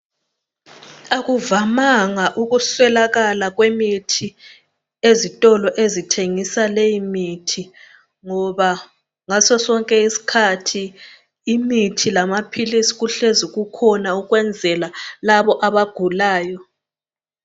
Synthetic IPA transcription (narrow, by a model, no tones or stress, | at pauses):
aɣuvamaŋaʔuɣuswɛlaɣalaɣwemitʰi | ezitʼɔlɔʔezitʰeŋisalejimitʰi | ŋɔβa | ŋasɔsɔŋkʼɛisi̥kʰatʰi | imitʰilamapʰilisi̥ɣuɬezuɣukʰɔnauɣwɛnd͡zʱɛlalaβɔʔaβaɡ̥ʱulaːjɔ